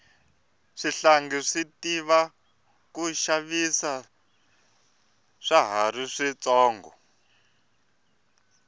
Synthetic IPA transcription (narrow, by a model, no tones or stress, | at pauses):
ʂiɬaŋɡiʂitiβa | kuʃaβisa | ʂaɦaɾiʂit͡sɔːŋɡɔ̰